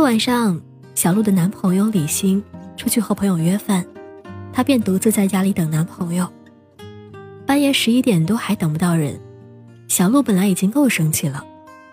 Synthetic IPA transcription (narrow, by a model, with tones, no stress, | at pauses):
wa˨˩nʂɑ˥˧ŋ | ɕjɑ˨˩ʊlu˥˩d̪ə˩na˧˥npʰɤ˧˥ŋjo˥˧˩ʊli˨˩ɕi˧˥ŋʈ͡ʂʰu˥t͡ɕʰy˥˧xo˥˩ʊpʰɤ˧˥ŋjo˨˩ʊɥɛ˥fa˥˩nt̪ʰa˥pjɛ˥˩nt̪u˧˥t͡sɹ̩˥˧t͡sa˥˩ɪt͡ɕja˥li˧˥t̪ɤ˨˩ŋna˧˥npʰɤ˧˥ŋjo˥˧ʊ | pa˥njɛ˥ʂɻ̩˧˥i˥t̪jɛ˨˩nt̪wo˥xa˧˥ɪt̪ɤ˨˩ŋpu˧˥t̪ɑ˥˩ʊɻə̰˧˥n | ɕjɑ˨˩ʊlu˥˩pə˨˩nla˧˥ɪi˨˩t͡ɕi˥ŋko˥˩ʊʂɤ˥ŋt͡ɕʰi˥˩lə˩